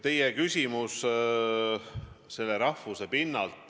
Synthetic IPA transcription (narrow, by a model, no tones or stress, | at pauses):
t̪e̞jekysʲimus | se̞lːeɾɑfuse̞pinːɑlt̪